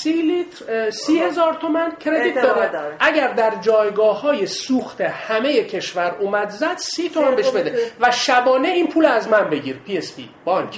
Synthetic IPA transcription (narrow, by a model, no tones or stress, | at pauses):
silit̪ɾsiːhe̞zɒːɾt̪ʰo̞mæncʰɾe̞d̪it̪̚d̪ɒːɾæd̪ʔæɟæɾd̪æɾd͡ʒɒːjɡɒːhɒːjesuːxt̪ʰe̞hæme̞je̞cʰe̞ʃvæɾuːmæd̪zæd̪̥siːt̪ʰo̞mænbeʃbe̞d̪evæʃæbɒːneiːnpʰuːlæzmænbe̞ɟḭɾpʰiespḭ | b̥ɒŋkʰ